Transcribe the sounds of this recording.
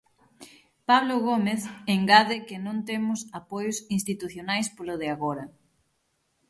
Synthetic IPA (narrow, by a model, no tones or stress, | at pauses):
paβloɣomeθeŋɡaðɪkɪnõnt̪emʊsapojʊsĩnst̪it̪uθjonajspoloðɪaɣoɾɐ